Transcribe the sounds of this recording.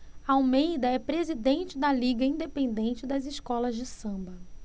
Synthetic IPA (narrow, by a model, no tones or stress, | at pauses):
ɐawmejd̪ɐɛpɾezid̪ẽnt͡ʃɪd̪ɐliɡɐĩd̪epẽnd̪ẽnt͡ʃɪd̪ɐziʃkɔlɐzd͡ʒɪsɐ̃mbɐ